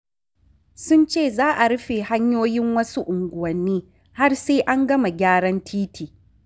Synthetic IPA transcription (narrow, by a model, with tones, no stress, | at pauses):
sʊ˦nt͡ʃeː˦˨zaː˦ʔa˨ɽʊ˦ɸeː˨ha˦ɲjoː˦jɪ˦ŋwɐ˦su˦ʔʊ˨ŋɡʷʊ˨wɐ˨nːiː˦ | ha˦rseː˦ʔa˦ŋɡɐ˦ma˨ɡʲaː˦ɽɐ˦ntʰiː˦tʰiː˨